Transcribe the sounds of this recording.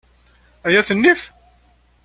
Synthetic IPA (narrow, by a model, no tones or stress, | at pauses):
æjæθənːif